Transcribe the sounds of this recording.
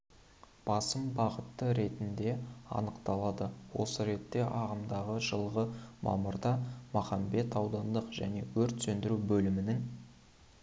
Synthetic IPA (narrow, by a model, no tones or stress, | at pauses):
b̥ɑsəmbɑʁət̪ːəɾe̞t̪ɪnd̪e̞ɑ̰nəqt̪ɑlˠɑd̪əwo̞səɾe̞t̪ːe̞ʔɑʁəmd̪ɑʁəʒəlˠʁəmɑ̰mʊɾd̪ɑmɑχɑmbe̞t̪ɑwd̪ɑnd̪əqʒ̥æ̰ne̞wɵɾt̪sɵnd̪ɪɾuwbɵlɪmɪnɪŋ